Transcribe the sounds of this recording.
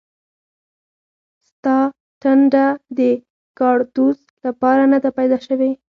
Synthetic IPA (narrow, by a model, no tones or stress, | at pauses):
st̪ɑ | ʈaɳɖad̪ə | kɑɽt̪uz | lapɑɾanad̪apajd̪ɑʃəwe